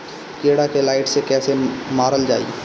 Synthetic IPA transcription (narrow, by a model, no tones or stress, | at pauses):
keːɽakelaːɪʈsekɛːsemaːɾəld͡ʒa̰ːḭ